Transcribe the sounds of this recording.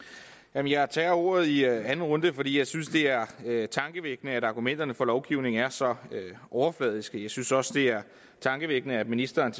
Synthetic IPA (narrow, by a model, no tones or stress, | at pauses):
jæmənjɑ̈ɪt͡sʰɛɐo̝̰ːɐð̞̩ˠiænn̩ʁɔ̽nd̥əfɒ̽d̥ḭːjɑ̈ɪsynsd̥e̝æɐøt͡sʰɑ̈ŋɡ̥əʋeɡ̥ənəæɾɑ̈ɡ̥umen̰d̥ɐnəfɒ̽lɒʊɡ̥iʊ̰ne̝ŋ̩æɐsɒ̽øʔɒʊɐflɛ̰ːðˠisɡ̥jɑ̈ɪsynsɒ̽səd̥e̝æɐ | t͡sʰɑ̈ŋɡ̥əʋeɡ̥ənəæd̥minisd̥ɐːnt͡sʰ